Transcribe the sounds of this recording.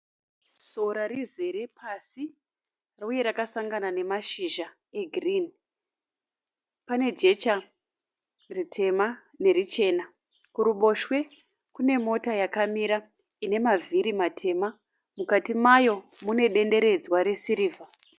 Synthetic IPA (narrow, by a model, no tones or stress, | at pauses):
so̞ɾaɾize̞ɾe̞pʰasi | rauje̞ɾakasaŋɡanane̞maʃiʒa | e̞ɡʱrin | pane̞d͡ʒe̞t͡ʃa | ritʰe̞ma | ne̞rit͡ʃe̞ːna | kuɾuɓo̞ʃwe̞ | kune̞mo̞tajakamiɾa | ine̞mavʱiɾimatʰe̞ma | mukatimajo̞mune̞ɗe̞nde̞ɾe̞d͡zwaɾe̞siɾiːvʱa